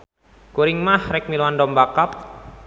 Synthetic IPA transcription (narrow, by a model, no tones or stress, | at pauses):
kuɾɪŋmahɾɛk̚miluandɔmbakap̚